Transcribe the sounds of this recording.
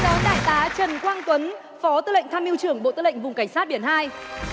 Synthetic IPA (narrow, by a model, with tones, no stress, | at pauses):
ɔ˨˦nɗa̰ː˧˨jt̪aː˨˦t͡ɕə˨˩nkwaː˧ŋt̪wə˨˦n | fɔ˨˦t̪ɨ˧lə̰˧˨ŋ̟t̪ʰaː˧mʔi˧wt͡ɕɨ˧˩əŋɓo̰˧˨t̪ɨː˧lə̰˧˨jŋ̟vʊ˨˩ŋ͡mka˧˩ŋ̟saː˦˥t̚ɓi˧˩ənhaː˧j